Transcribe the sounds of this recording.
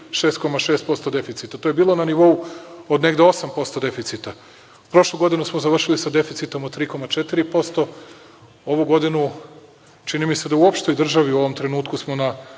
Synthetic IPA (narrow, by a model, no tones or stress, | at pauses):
ʃe̞ːst̪̚ko̞maʃe̞ːst̪̚po̞st̪o̞d̪e̞fit̪sit̪at̪o̞jebiːlˠo̞naniʋo̞uod̪ne̞ɡd̪eo̞sampo̞st̪od̪e̞fit̪sit̪a | upɾo̞ʃlˠuɡo̞d̪inusmozaʋr̩ʃilisad̪e̞fit̪sit̪omot̪ɾiːko̞mat͡ʃet̪iɾipo̞st̪o̞ | o̞ʋuɡo̞d̪inu | t͡ʃinimise̞d̪auopʃt̪o̞jd̪r̩ʒaʋiuo̞ʋo̞mt̪ɾe̞nuːt̪kusmo̞na